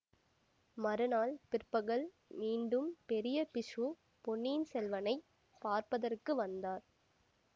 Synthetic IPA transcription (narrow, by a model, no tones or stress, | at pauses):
mɐɾɯnaːlpɪrpɐɣɐɭ | miːɳɖɯmpɛɾɪjɐpɪʂu | pɔɳːiːnsɛlʋɐnɐɪ | paːɾpɐðɐrkɯʋɐnd̪aːɾ